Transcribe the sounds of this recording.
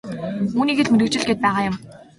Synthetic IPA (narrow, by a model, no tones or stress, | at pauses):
uːniːɡĕɮmeɾɘ̆kt͡ɕɪ̆ɮɡet̪̚pæːʁaːjʊm